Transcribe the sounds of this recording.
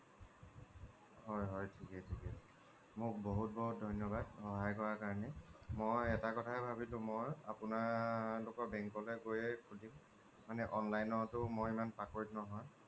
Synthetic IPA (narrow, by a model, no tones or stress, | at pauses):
ɦɔjɦɔjtʰikɛtʰikɛ | mʊk̚boɦut̚bɔɦut̚dʱɔjnjɔbadhɔɦajkɔɹakaɹɔnɛmojɛtakɔtʰaɛbʱabilʊ̃moja̰pʊnalʊkɔɹbɛŋkɔlɛɡojɛkʰudimː | anɛʔɔnlajnɔtʊmoimanpakoɹitnɔɦɔj